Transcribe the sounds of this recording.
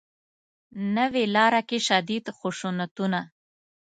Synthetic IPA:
nəwelɑɾakeʃad̪id̪xʊʃunat̪una

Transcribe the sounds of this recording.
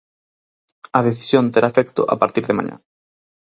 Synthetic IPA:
ɐðeθi̥sjõnt̪eɾaefɛkt̪ʊ̰ʔa̰paɾt̪iɾðɪmã̰ɲã̰

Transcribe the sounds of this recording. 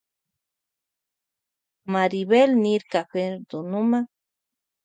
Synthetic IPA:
maɾiβelniɾkaɸeɾd̪unumã

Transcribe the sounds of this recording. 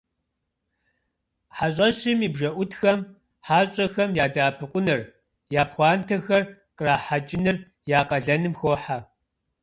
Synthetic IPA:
ħaɕ̬ʼɐɕɪmiːbʒɐʔʷʊtxɐm | ħaːɕʼɐxɐmjaːdaːpʰɨqʷʊnɨr | jaːpχʷɑːntʰɐxɐr | qəraːħat͡ʃʼɪnɨr | jaːqɐɮɐnɨmxoːħa

